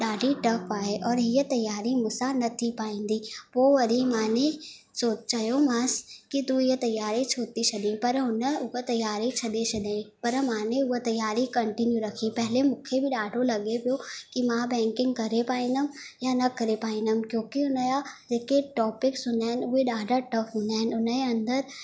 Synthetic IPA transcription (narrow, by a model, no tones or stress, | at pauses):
ɗaːɖʱiʈɐkaːɦeʔɔːɾɦiət̪ɐjːaːɾimʊsanɐt̪ʰipaːĩːn̆d̪ipoːʋɐɾimaːne | soːt͡ɕɐjomãskit̪uijət̪ɐjːaːɾit͡ɕʰoːt̪it͡ʃʰɐɗ̪ẽpɐɾɦʊnəʊɦət̪ɐjaːɾit͡ɕʰɐɗ̪et͡ɕʰɐɗ̪ẽpɐɾmãːneʊɦot̪ɐjːaːɾikɐ̃ɳʈɪnjuɾɐkʰipɐɦɪlemũːkʰebɪɗaːɖʱolɐɠepijokimãbɛ̃ːŋkɪ̃ŋɡ̚kɐɾepaːĩnd̪əmjanɐkɐɾepaːɪ̃nd̪əmkjõːkiʊnəjad͡ʑeːkeʈɔːpɪksʊ̃nd̪aːɪnʊɦeɗaːɖʱaʈɐfɦʊ̃ːnd̪aːɦɪnʊnəeɐ̃nd̪əɾ